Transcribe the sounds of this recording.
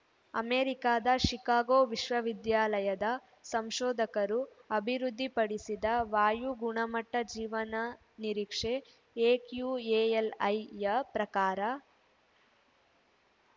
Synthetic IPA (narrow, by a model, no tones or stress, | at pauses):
ɐ̰meːɾikaːd̪ɐʃikaːɡoːʋiʃʋɐʋid̪jaːlɐjɐd̪ɐ | sɐmʃɔːd̪ɐkɐɾuɐbʱiɾud̪ʱːipɐɽisid̪ɐʋaːjuɡuɳɐmɐʈːɐd͡ʒiːʋɐnɐ | niɾikʂe | eːkjueːelɐjːɐpɾɐkaːɾɐ